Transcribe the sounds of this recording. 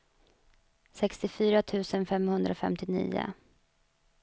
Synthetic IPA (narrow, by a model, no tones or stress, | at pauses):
sɛkst̪ɪfyːɾat̪ʰʉ̟ːsənfɛmhɵnd̪ɾafɛ̰mt̪ɪnḭːʊ̰